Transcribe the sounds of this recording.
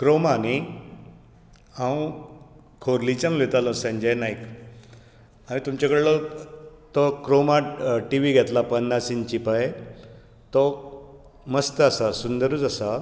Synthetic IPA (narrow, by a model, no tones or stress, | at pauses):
kɾomani | ãw | kʰoɾlit͡ɕãnʋet̪alə̃sə̃ɲd͡ʑanaik | añit̪umt͡ɕakəɽlɔ | t̪ɔkɾomaʈiʋiɡʱɛt̪lapənːasint͡ɕipaje | t̪ɔ | məst̪əasasund̪əɾuːd͡zasa